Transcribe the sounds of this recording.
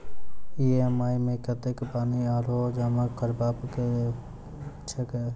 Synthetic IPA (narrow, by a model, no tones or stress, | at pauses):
iemaːjmẽkɐt̪ekpaːniaːlod͡ʒaːmakʰɐɾbaːpk | t͡ʃʰɐk